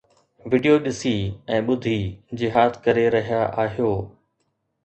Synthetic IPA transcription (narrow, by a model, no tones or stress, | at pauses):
ʋɪɖijoɗɪsiɛ̃ːɓʊd̪ʱid͡ʑɪɦaːt̪ʰkɐɾeɾɐɦijaʔaːɦijoː